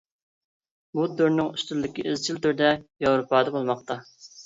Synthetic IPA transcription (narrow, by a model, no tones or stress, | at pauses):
bud̪øɾnɪŋyst̪ylːɪkʲiʔɪzt͡ʃʰilt̪yɾd̪ɛjɑwɾupɑːd̪ɛbolˠmɑqt̪ɑ